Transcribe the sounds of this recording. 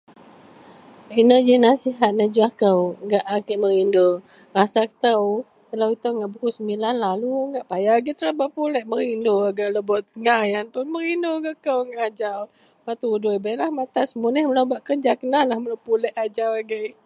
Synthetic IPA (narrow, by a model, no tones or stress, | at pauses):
inəd͡ʒinasiɦat̪̚nəd͡ʒuakəwɡaʔakəʔməɾindo | rasakə̥t̪ə | t̪ələwit̪əwŋɡaʔbukusəmbilanlaluŋɡaʔpajaɡit̪ələbaʔpulɛʔməɾindoaɡaʔləbɔʔəŋajanpunməɾindoɡəkəwŋɡaʔad͡ʒaw | mat̪udʊjbaʔlahmat̪asəmunəhmələwbaʔkənd͡ʒakənanlahməlawpulɛʔad͡ʒawaɡə